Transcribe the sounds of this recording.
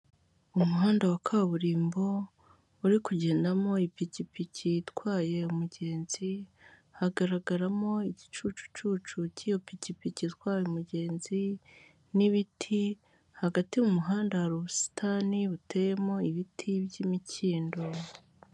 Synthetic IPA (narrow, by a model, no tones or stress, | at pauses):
umuɦaːndawakʰaːβuɾiːmbo̞ | uɾikuɟe̞ːndamo̞ipicipiciːtkwaːje̞umuɟe̞ːnz̥i | haɡaɾaɡaɾamo̞iɟit͡ʃuːt͡ʃu̥t͡ʃuːt͡ʃuciːjo̞picipicitwaːjumuɟe̞ːnzi | niβitʰi | haɡatiumuɦaːndawaɾuβusi̥tʰaniβuteːje̞mo̞iβitʰibjimicʰiːndo̞